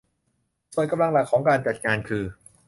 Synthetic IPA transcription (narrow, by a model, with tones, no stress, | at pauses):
so˨˩jka˧mla˧ŋla˨˩kʰːɔː˩˦ŋkaː˧nt͡ɕa˨˩t̪̚ŋaː˧nkʰɯː˧